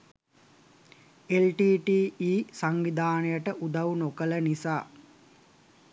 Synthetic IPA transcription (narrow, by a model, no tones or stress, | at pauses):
elʈiːʈiːiːsaŋʋid̪aːnəjəʈəʔud̪awunokələnisaː